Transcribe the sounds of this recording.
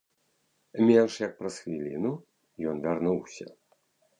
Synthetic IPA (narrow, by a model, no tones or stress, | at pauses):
mʲɛnʂjɐk̚pɾɐsxvʲilʲḭnu | jɔnvʲarnuwsʲɐ̰